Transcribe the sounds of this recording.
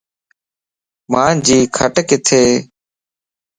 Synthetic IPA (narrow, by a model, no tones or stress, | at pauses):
maːd͡ʒiːkʰəʈkɪt̪ʰeː